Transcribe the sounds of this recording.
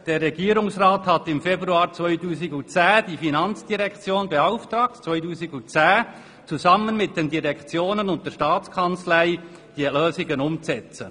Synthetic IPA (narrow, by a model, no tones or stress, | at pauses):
d̥eːrːɛɡiːɾʊŋsʁaːthatɪmfebʁuaːɾt͡svœʏtuːsɪɡʊnt͡sɛːd̥iːfinɑnt͡sd̥iʁɛkt͡sjoːnbeaʊftʁɑːk̚tt͡svœʏtuːzɪɡʊnt͡sɛː | t͡suzɑmənmɪt̚d̥endiʁɛkt͡sjoːnənʊnt̚d̥ɛːʃtɑːt͡skʰɑnt͡slæɪ | d̥iløːzɪɡənʊmt͡sɛt͡sə